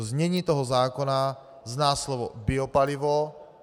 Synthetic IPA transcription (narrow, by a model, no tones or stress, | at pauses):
zɲɛɲiːt̪ɔɦɔzaːkɔna | znaːslɔʋɔ̰biɔpaliʋɔ